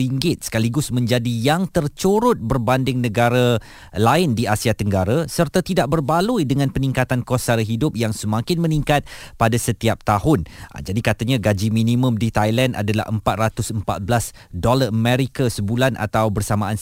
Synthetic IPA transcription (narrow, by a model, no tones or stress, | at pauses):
iŋɡɪt̪̚sə̥kaliɡʊsmə̃ɲd͡ʒadijaŋt̪ərt͡ʃuɾʊt̪̚bərbandɪŋnə̃ɡaɾa | laɪndiasiat̪əŋɡaɾasərt̪at̪idaʔ̚bərbalujdəŋãnpənĩŋkat̪ankosaɾɦidʊp̚jaŋsəmãkɪnmə̃niŋkat̪̚padasət̪iap̚t̪ahʊn̰d͡ʒadikat̪aɲaɡad͡ʒimĩnĩmə̃mdit̪ajlanda̰dala̰hʔə̰mpat̪̚rat̪ʊsəmpa̰t̪̚blas | dolaʔəmɛɾikasəbulanʔa̰t̪awbərsamãːn